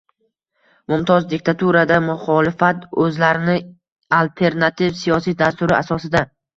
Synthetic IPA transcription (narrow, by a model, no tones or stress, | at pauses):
mʊmt̪ʰɒzd̪ɪkʲt̪ʰat̪uɾad̪amʊχɒlɪfat̪ɵzlaɾɪnɪ | alt̪ʰe̞ɾnat̪ʰivsijɒsijd̪ast̪ʊɾɪʔasɒsɪd̪a